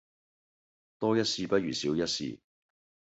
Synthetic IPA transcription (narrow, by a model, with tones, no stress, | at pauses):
t̪ɔː˥jɐ˥t̚siː˧pɐ˥t̚jyː˨˩siː˨˥wjɐ˥t̚sḭː˧